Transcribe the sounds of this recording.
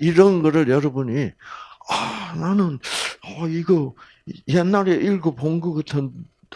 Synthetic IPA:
iɾʌnɡʌɾɯɭjʌɾʌbuɲi | ananɯnʌiɡʌ | jenːaɾeʔiɭɡopoŋɡɯɡɯtʰɯn

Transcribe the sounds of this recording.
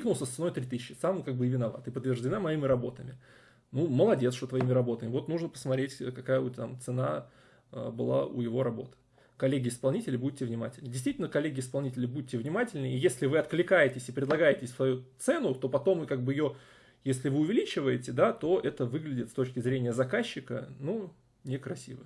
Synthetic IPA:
iknʊlˠsʲəssɨno̞jt̪ɾʲit̪ɨsʲɪɕːɪ̥samkaɡ̚bɨɪvʲɪnɐva̰t̪ɨpət̪ːvʲɪrʐdʲɪnamɐimʲɪɾɐbo̞̰t̪əmʲɪ̰ | numəlˠɐdʲet̪sʂt̪ot̪vɐimʲɪɾɐbo̞t̪əmʲɪvo̞t̪nuʐnəpəsmɐt̪ɾʲetʲkɐkajəot̪ʲt̪a̰mt̪sɨna | ə̰bɨlˠa̰ʊ̰jɪvo̞ɾɐbo̞t̪ɨ̥ | kɐlʲːeɡʲɪɪspɐlˠnʲitʲɪlʲɪbutʲːɪvnʲɪma̰tʲɪlʲnədʲɪst̪vitʲɪlnəkɐlʲːeɡʲɪspɐlˠnʲitʲɪlʲɪbutʲːɪvnʲɪmatʲɪlʲnəijesʲlʲɪvɨɐt̪̚klʲɪkajɪtʲɪsʲɪpɾʲɪd̪lˠɐɡajɪtʲɪsʲsvɐjut̪sɛnʊt̪o̞pɐt̪o̞mɨkaɡ̚bɨjɪjo̞ | jesʲlʲɪvɨʊvʲɪlʲit͡ɕɪvəjɪtʲɪd̪at̪o̞ʔɛt̪əvɨɡlʲɪdʲɪt̪st̪o̞t͡ɕkʲɪzɾʲenʲɪjəzɐkaɕːɪkə̰nu | nʲɪkɾɐsʲḭvə̰

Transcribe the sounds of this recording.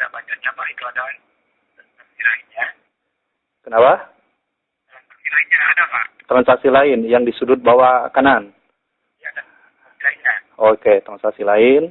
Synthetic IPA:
da̰ʔbat͡ʃard͡ʒamait̪uada | t̪ansasilainɲa | kənapa | t̪ɾansasilainɲaːdapat̪ɾansaksilaɪnjaŋdisudʊt̪̚bawakanan | jaa | asilainɲaoket̪ɾansaksilaɪn

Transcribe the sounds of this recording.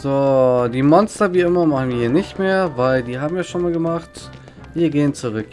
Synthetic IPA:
z̥oːdiːmɔnstɐviːʔɪmɐmaχn̩viːɦiːɐnɪçtmeːɐvaɪldiːɦaːbm̩jaːʃoːnmaːlɡəmaχt | viːɐɡeːənt͡suʁ̞ʏk

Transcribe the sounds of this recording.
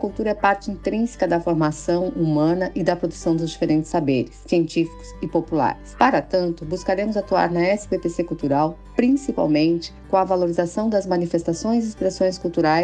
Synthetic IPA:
ɐkuwt̪uɾɐɛpaɾt͡ʃɪĩnt̪ɾĩsɪ̥kɐd̪ɐfoɾmasɐ̃w̃umɐ̃nɐʔɪd̪ɐpɾod̪usɐ̃w̃d̪ʊzd͡ʒifeɾẽnt͡ʃ̪ɪ̥sabeɾɪssːiẽnt͡ʃifi̥kʊ̥sɪpopula̰ɾɪspaɾɐt̪ɐ̃nt̪ʊbuskaɾẽmʊzat̪ua̰ɾnɐɛsɪbepesekuwt̪uɾaw | pɾĩsipa̰wmẽnt͡ʃɪ̥kõɐvaloɾizasɐ̃w̃d̪ɐzmɐ̃nifest̪asõj̃zɪːspɾesõj̃skuwt̪uɾaj

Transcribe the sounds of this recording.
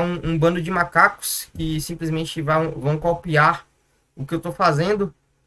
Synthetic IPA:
ũũbɐ̃nd̪ʊd͡ʒɪmakakʊ̥skɪsĩmplɪzmẽt͡ʃɪvɐ̃w̃vɐ̃w̃kopiaɾ | ʊkɪewt̪ofazẽnd̪ʊ

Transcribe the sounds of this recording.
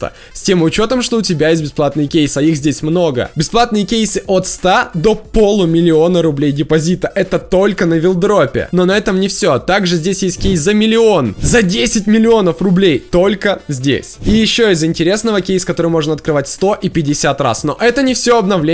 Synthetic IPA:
ə̰ | sʲtʲe̞mʊt͡ɕo̞t̪əmʂt̪o̞ʊtʲɪbʲajes̬ʲt̚ʲbʲɪsplˠat̪nɨjəkʲejsɐixzʲdʲesʲmno̞ɡə̰bʲɪsplˠat̪̚nɨjəkʲejsɨʔot̪st̪ad̪o̞polˠʊmʲɪlʲɪo̞nəɾʊblʲejdʲɪpɐzʲit̪əʔɛt̪ət̪o̞lʲkənəvʲɪlˠd̪ɾo̞pʲɪ̰no̞nɐɛt̪əmnʲɪfsʲo̞t̪aɡʐɨzʲdʲesʲjesʲt̚ʲkʲejszɐmʲɪlʲɪo̞nzɐdʲesʲɪtʲmʲɪlʲɪo̞nəfrʊblʲejt̪o̞lʲkəzʲdʲḛsʲijɪɕːo̞ɪzɪnʲtʲɪɾʲe̞snəvəkʲejskɐt̪o̞ɾɨjmo̞ʐnəɐt̪̚kɾɨvatʲst̪o̞ʔipʲɪdʲɪsʲat̪ra̰sno̞̰ʔɛt̪ənʲɪfsʲo̞ɐbnɐvlʲe

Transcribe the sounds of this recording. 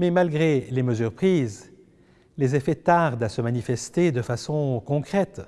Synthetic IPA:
mɛmalɡʁeleməzyʁpχiːz | lezefɛt̪aʁd̪asəmanifɛst̪ed̪əfasɔ̃kɔ̃kχɛt̪

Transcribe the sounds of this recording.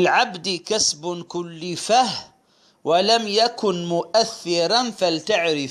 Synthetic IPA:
ɪlʕabd̪kasbkʊlːɪfah | walamjakʊnmʊʔaθːɪɾˤɑnfalt̪aʕɾɪ

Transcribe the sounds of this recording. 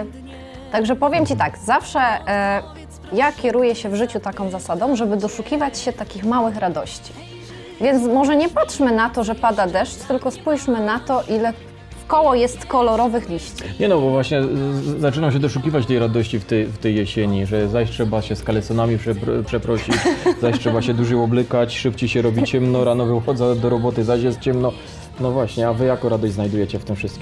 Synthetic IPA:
t̪aɡʐɛpɔvʲjɛmt͡ɕit̪aɡzafʂɛ | jakʲɛɾujɛɕɛvʐɘt͡ɕut̪akɔ̃w̃zasad̪ɔ̃w̃ʐɛbɘd̪ɔʂukʲivat͡ɕɕɛt̪akʲixmawɘxɾad̪ɔɕt͡ɕi̥ | vʲjɛnt̪smɔʐɛɲɛpatʂmɘnat̪ɔʐɛpad̪ad̪ɛʂt͡ɕt̪ɘlkɔspujʂmɘnat̪ɔʔilɛ | fkɔwɔjɛst̪kɔlɔɾɔvɘxlʲiɕt͡ɕiɲɛnɔbɔvwaɕɲɛzat͡ʂɘnaɕ̬ɛd̪ɔʂukʲivat͡ɕt̪ɛjɾad̪ɔɕt͡ɕift̪ɛjft̪ɛjːɛɕeɲiʐɛzaɕtʂɛbaɕɛskalɛt̪sɔnamʲipʂɛpʂɛpɾɔɕit͡ɕzaɕtʂɛbaɕɛd̪uʐɛɔblɘkat͡ɕʂɘp̚t͡ɕejɕɛɾɔbʲit͡ɕɛmnɔɾanɔvɛxɔd̪zad̪ɔɾɔbɔt̪ɘzaɕjɛst̪̚t͡ɕɛmnɔ | nɔvwaɕɲɛavɘjakɔɾad̪ɔɕʲznajd̪ujɛt͡ɕɛft̪ɘmfʂɘst̪kʲim

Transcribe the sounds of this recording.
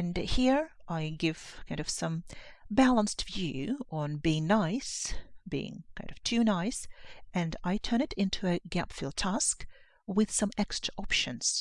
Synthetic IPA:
ɨ̃nhiɹʔaɪɡɪv̥kʰãɪ̃ndʌv̥sʌ̃mbælˠə̃nstv̥jʉə̃nbiɪ̃ŋnaɪsb̥ḭɪ̰̃ŋkʰãɪ̃nd̥ʌv̥tʰʉnaɪsʔɨ̃naɪtʰɜ̃˞ɾ̃ɨɾɪ̃ntʰʉɨɡæpfilˠd̚tʰæsk | wɨð̥sʌ̃mɛkstɹ̥əʔɑpʃɨ̃nz̥

